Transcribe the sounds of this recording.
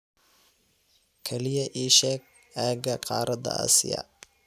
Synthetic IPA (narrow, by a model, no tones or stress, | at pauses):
kʰɛlɪjɐʔiːʃɛːɡ̚ | aːɡɐqɑːɾɐd̪ɐ̰ɐ̰sɪ̰jɐ̰